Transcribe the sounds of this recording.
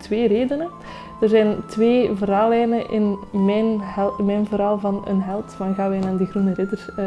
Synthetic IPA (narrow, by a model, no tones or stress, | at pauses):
tʋeːɾeːdənə | d̥ərzɛjntʋeːvəɾaːlɛjnəʔɪnmɛnmɛjnvəɾaːlˠvɑnə̰nɦɛlˠtʋanɣaːʋɛjnaːdiɣrunəɾɪdərs